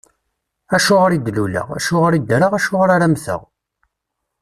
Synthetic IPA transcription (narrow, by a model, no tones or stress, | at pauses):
æʃʊʁɾid̪lulə̰ʁæ̰ʃʊʁɾid̪ɾəʁæʃʊʁɾaɾæmθə̰ʁ